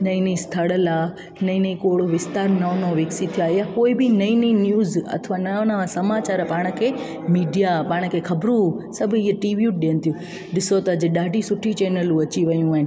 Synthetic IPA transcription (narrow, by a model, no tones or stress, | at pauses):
nɐĩnĩst̪ʰəɽəlaː | nɐĩnɐĩkoːɽoʋɪst̪aːɾnɐnõʋeksit̪ʰijaːjakoːibɪnɐĩninjuːzɐ̰t̪ʰʋananaʋãsɐmaːt͡ɕaːɾpaːɽ̃ə̆kʰeː | miːɖijapaːɽ̃kʰeːxʰɐbɾũsɐbʱʊiɦəʈiːʋjuːʈ̚ɗiːənɪ̆t̪ʰijũ | ɗɪsot̪ɐːd͡ʑɪɗaːɖʱisʊʈʰit͡ɕeːnəlũʋɐt͡ɕiʋɐjũaːɦɪn